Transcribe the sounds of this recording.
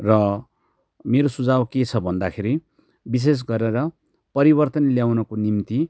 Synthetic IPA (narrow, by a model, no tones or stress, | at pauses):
rʌ | meɾosud͡zabket͡sʰʌbʱʌnd̪akʰeɾi | bis̬es̬ɡʌɾeɾʌ | pʌɾibʌrt̪ʌnljawnʌkonimt̪i